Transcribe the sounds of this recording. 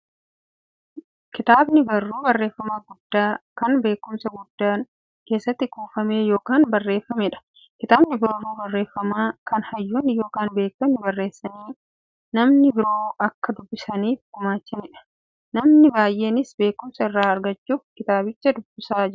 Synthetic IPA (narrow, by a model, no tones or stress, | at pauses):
kɪt̪aːbnɪbɐrːuːbɐrːe̞ːfːɐmaːɡʊd̪ːaːkɐnbe̞ːkːʊmsɐɡʊd̪ːaːn | ke̞ːsːɐt̪ːɪkuːfɐme̞ːjo̞ːkaːnbɐrːe̞ːfːɐmɛᶑɐ̥ | kɪt̪aːbnɪbɐrːuːbɐrːe̞ːfːɐmaːkɐnhɐjːuːnɪjo̞ːkaːnbe̞ːk̚tɐnɪbɐrːe̞ːsːɐniː | nɐmnɪbɪɾo̞ːɐkːɐd̪ʊbːɪsɐniːfʊmaːt͡ʃːɐnɪᶑɐ̥ | nɐmnɪbaːjʔe̞ːnɪsbe̞ːkʊmsɐɪrːaːɐɾɡɐt͡ʃːuːfkɪt̪aːbɪt͡ʃːɐd̪ʊbːɪsaːd͡ʒ